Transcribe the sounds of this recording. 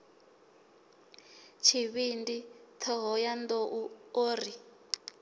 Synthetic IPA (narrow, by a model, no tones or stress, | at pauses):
t͡ʃʰiβindit̪ʰɛɦɔjand̪ɔʔuoːri